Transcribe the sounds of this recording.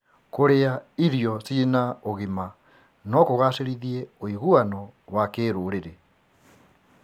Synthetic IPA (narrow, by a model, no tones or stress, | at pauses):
koɾeaiɾjɔsinaoɣima | nɔkoɣaseɾiðieoiɣuanɔwakeːɾoːɾeɾe